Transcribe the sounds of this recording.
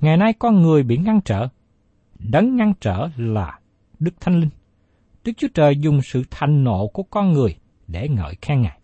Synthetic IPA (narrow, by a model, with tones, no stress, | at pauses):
ŋa˨˩jna˧jkɔ˧nŋɨ˨˩əjɓḭ˧˨ŋa˧ŋt͡ɕə̰ː˧˨ | ɗə˨˦nŋa˧nt͡ɕə̰ː˧˨laː˨˩ | ɗɨ˦˥k̚t̪ʰa˧jŋlï˧ŋ | ɗɨ˦˥k̚t͡ɕu˨˦ət͡ɕəː˨˩jzʊ˨˩ŋ͡msɨ̰˧˨t̪ʰa˧˨jŋ̟no̰˧˨ku˧˩əkɔ˧nŋɨ˨˩əj | ɗe˧˩ŋə̰ː˧˨jxɛ˧ŋaː˨˩j